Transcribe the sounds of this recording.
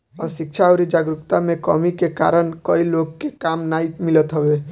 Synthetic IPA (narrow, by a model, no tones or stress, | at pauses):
ɔ̰ɾʃɪk̚t͡ʃʰaɔɾid͡ʒaɡɾʊkt̪amẽkɔ̰mikeka̰ɾənkɔilokːekamnaimɪlət̪ɦɔbe